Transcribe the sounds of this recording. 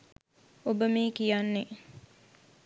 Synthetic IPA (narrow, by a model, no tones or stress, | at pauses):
obəmiːkijanːe